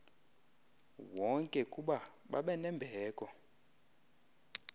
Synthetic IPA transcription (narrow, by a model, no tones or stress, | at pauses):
wɔŋkʼɛkʼuɓa | ɓa̰ɓɛnɛmbʱɛːkʼɔ